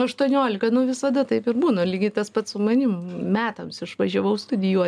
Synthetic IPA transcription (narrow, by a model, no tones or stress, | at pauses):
ɐʃt̪uɔnʲoːlʲɪkɐnʊʋʲɪsɐd̪ɐt̪ɐɪpɪɾbuːnɐlʲiːɡʲɪt̪ɐspɐt̪sʊmɐnʲɪmmmʲæːt̪ɐmsɪʃʋɐʒʲɛʋɐʊst̪ʊd̪ʲɪjuɔ